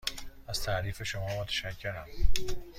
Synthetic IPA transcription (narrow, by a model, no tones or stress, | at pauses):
æz̥t̪ʰæʔɾiːfe̞ʃomɒːmot̪ʰæ̥ʃækcʰːe̞ɾæm